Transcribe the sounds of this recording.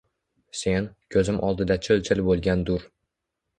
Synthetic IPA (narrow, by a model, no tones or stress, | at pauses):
se̞nkʲʰɵzɪmʔɒlˠd̪ɪd̪at͡ʃʰɪlt͡ʃʰɪlbolˠɡʲand̪ʊɾ